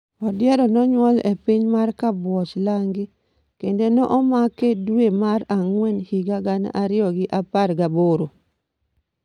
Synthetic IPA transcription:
ɔdɪɛɾɔnɔɲwɔlepiɲmarkabwɔt͡ʃlaŋɡɪ | kendenɔʔɔmakedwemaɾaŋwɛnhiɡaɡan̰ʔaɾɪɔɡɪʔaparɡaboɾo

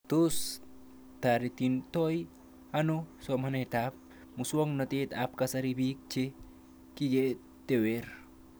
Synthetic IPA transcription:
t̪us | t̪aɾit̪int̪oj | ɐnusom̤ɐnet̪ap̚ | muswɐŋnɐt̪eːt̪aːp̚kasɐɾibʱiːk̚t͡ʃʰe | kiɡe | t̪eweɾ

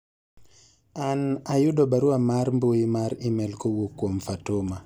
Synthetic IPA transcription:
anajudɔbaɾuamaɾmboimaɾimɛlkɔwukwomfatoma

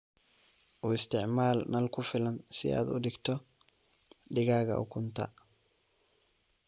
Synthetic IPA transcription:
ʔuːɪst̪ʰɪʕmaːlnɐlkʰʊfɪlɐnsɪ̰ʔa̰ːd̪ʊ̰ɖɪɡt̪ʰɔ | ɖɪɣaːɣɐ̰ʔʊ̰kʰʊnt̪ʰɐ̰

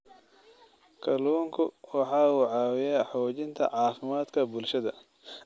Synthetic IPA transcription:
kʰɐluːŋkʰʊwɑħɑːuːʕɑːwɪjaːħɔːt͡ʃɪnt̪ʰɐ̰ʕɑːfɪmaːd̪kʰɐbʊlʃɐðɐ

